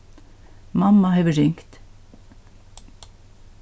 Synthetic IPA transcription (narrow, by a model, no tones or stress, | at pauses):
mɑmɑhœʋəɾʏŋkt̪